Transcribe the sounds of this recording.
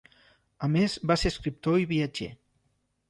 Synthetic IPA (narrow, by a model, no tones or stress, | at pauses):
amezβaseɾskɾip̚t̪oiβiad͡ʒḛ